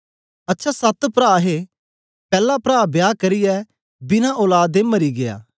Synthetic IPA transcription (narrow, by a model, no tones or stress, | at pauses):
ɐtːʃʰasɐt̪pɾaːɦe | pɛːlapɾaːbjaːkɐɾɪjɛ | bɪnãʔoːlaːd̪emɐɾiɡɪja̰ː